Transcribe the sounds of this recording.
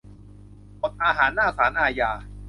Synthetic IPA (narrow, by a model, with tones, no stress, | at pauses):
mo˨˩t̪̚ʔaː˧ɦaː˩˦nːaː˥˩saː˩˦nʔaː˧jaː˧